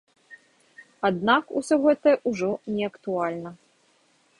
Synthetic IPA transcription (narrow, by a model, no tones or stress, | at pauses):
ad̪nakusʲɔɣɛt̪ɐjɛʔuʐɔnʲɛɐkt̪ualʲnɐ